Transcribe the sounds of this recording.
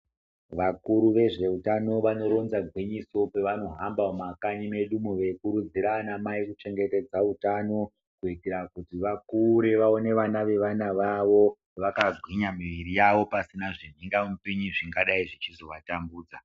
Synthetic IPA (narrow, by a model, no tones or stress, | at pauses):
ʋakuɾuʋe̞ʐe̞utano̞ʋano̞ɾo̞nzaɡʱwiɲiso̞pe̞ʋano̞ɦambaomakaɲime̞ɗumuʋe̞kuɾud͡ziɾanamaikut͡ʃe̞ŋɡe̞te̞d͡zautano̞ | kuitiɾakutiʋakuɾeʋao̞ne̞ʋanaʋe̞ʋanaʋaʋo̞ | ʋakaɡʱwiɲamiʋiɾijaʋopasinaʐin̤iŋɡamupiɲiʐiŋɡaɗaiʐit͡ʃizo̞ʋatambuːd͡za